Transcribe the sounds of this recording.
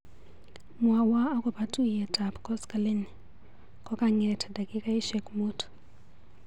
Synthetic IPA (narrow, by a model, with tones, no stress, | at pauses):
mwa˨waː˦kʼɔ˨ba˦tʼu˦jɛ˨tʼa˨pʼkʼɔ˦skʼa˨le˦ni | kʼɔ˦kʼa˦ŋɛ˨tʰa˨da˨kʼi˦kʼa˦i˦ʃɛkʼmuː˦tʰɔ̥